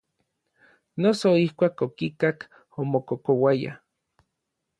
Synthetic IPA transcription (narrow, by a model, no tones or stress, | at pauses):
nosoihkʷaːkokikak | omokokowaja̰